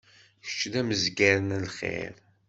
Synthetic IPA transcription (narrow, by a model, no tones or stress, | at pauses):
çə̥t͡ʃːðæməzɡæɾənælχḛɾ